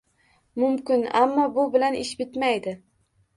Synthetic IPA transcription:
mʊmkʲɪnamːɒbʊbɪlanɪʃbɪt̪majd̪ɪ

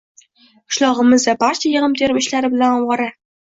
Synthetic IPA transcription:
ʊ̥ʃlˠɒʁɨmɪzd̪abaɾt͡ʃʰajɤʁəmt̪ʰeɾɪmɪʃlaɾɪbɪlanɒwʁɑɾa

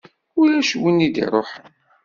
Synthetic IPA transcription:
ulæʃwənid̪ḭɾˤoħən

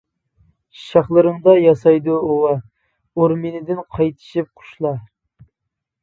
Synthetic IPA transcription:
ʃɑχlˠɨɾɨŋd̪ɑjɑsɑjd̪uowɑ | oɾmenɪd̪ɪnqʰɑjt̪ʰɨ̥ʃip̚qʰʊ̥ʃlˠɑ

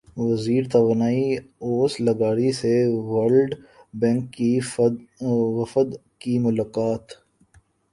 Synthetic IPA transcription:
ʋɐziːɾt̪ɐʋanaːioːslɐɡaːɾiseʋəɾlɖbɛ̃ŋkːi | ʋɐfəd̪ | kimʊlaːkaːt̪

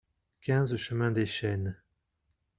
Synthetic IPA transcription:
kʲɛ̃zʃəmɛ̃d̪eʃɛn

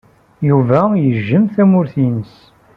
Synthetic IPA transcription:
juvæjəʒːəmθæmʊɾθinəs

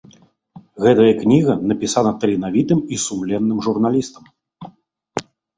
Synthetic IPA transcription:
ɣɛt̪ɐjɐknʲiɣɐnɐpʲisanɐt̪ɐlʲinavʲit̪ɨmisumlʲɛnːɨmʐurnalʲist̪ɐm

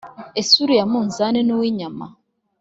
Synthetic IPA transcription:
esuɾujamuːnzanenuwiːɲama̰

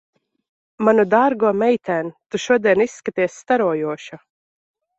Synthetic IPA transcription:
manud̪aːɾɡuɔmɛjt̪æːnt̪uʃuɔd̪iɛnisːkat̪iɛsːt̪aɾuɔjuɔʃa

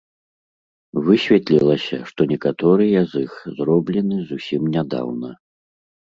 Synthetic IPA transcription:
vɨsʲvʲɛt̪lʲilˠɐsʲɐ̰ʂt̪ɔnʲɛkat̪ɔɾɨjɐzixzɾɔblʲɛnɨzusʲimnʲad̪a̰wnɐ

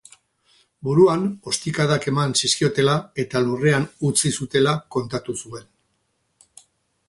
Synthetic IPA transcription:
buɾuano̞st̪ikaðake̞mansiskio̞t̪e̞lae̞t̪alure̞anut͡sisut̪e̞lako̞nt̪at̪usue̞n

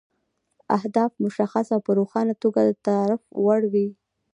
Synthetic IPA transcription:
ahd̪ɑfmʊʃaxasawpəɾoxɑnat̪oɡad̪ət̪ɑɾɪfwaɽwi

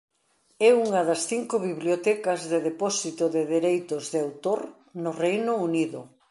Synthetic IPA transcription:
ɛuŋɐðɐsθiŋkʊβiβljot̪ɛkɐzðɪðepɔsit̪ʊðɪðeɾejt̪ʊzðɪawt̪oɾ | nʊrejnʊuniðʊ̰

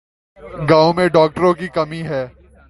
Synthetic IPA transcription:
ɡaːõmẽɖɔːk̚ʈəɾõk̬ikɐmiɦɛː

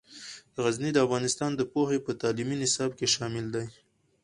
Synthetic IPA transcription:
d̪əɣaznid̪əafɣɑnɪst̪ɑnd̪əpohepət̪ɑliminɪsɑbkeʃɑmɪld̪aj

